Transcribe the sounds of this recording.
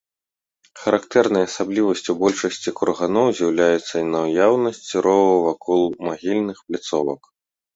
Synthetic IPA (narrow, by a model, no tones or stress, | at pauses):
xɐɾakt̪ɛrnɐjɐsablʲivɐsʲt͡sʲubɔlʲʂɐsʲt͡sʲikurɣanɔwzʲjawlʲajɛt̪sːɐinɐwjawnɐsʲt͡sʲiɾɔvɐwvakʰɔlˠmaɣʲilʲnɨxplʲit̪sɔvɐ̰k